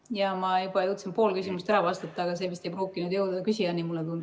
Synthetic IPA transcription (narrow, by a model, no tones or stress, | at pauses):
jɑmɑjubɑjot̪sempo̞ːlkysʲimust̪æɾɑvɑst̪ɑt̪ːˑɑːɡ̥ɑs̬e̞ːmist̪e̞jproːkːˑinud̪jowd̪d̪ɑkysʲiɑnimulːɛt̪und̪̥